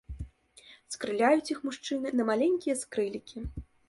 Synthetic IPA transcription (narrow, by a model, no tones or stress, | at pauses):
skɾɨlʲajut͡sʲixmuʂt͡ʂɨnɨnɐmalʲenʲkʲijɐskɾɨlʲikʲi